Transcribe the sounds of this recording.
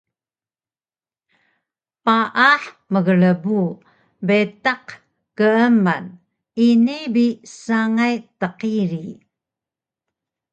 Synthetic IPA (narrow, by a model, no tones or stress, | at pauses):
paʔaħ | məɣəɭəbu | betaq | kəəma̰n | inibisaŋajtəqiɾi